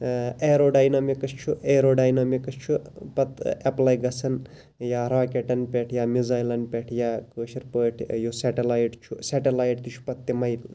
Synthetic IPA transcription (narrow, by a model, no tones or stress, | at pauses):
eɾoːɖajnamikɐst͡ʃʰuʔeɾoːɖajnamikɐst͡ʃʰupɐt̪eplaːjɡɐsɐn | jaːɾaːkeʈɐnpʲeʈʰjaːmizajlɐnpʲeʈʰjaːkəːʃiɾpəːʈʰjoseʈelaːjʈt͡ʃʰuseʈelaːjʈ̚t̪ut͡ʃʰu̥pɐt̪ːemɐjl